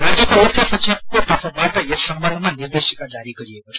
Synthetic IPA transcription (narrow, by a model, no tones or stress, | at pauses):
rad͡zjʌkoopʰjasʌsʰekot̪ʌpʰʌbaʈʌjesʌmbʱʌlmanird̪esikad͡zaɾiɡʌɾiekot͡sʰʌ